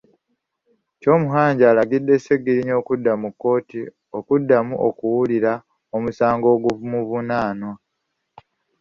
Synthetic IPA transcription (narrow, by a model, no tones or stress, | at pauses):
co̞ːmuɦaːɲɟaːlaɡidːe̞se̞ɡːiɾiɲo̞ːkudːamukːo̞ːti | o̞kudːamuʔo̰kuwuliɾa | o̞musaːŋɡo̞ːɡuvumuβunaːnwa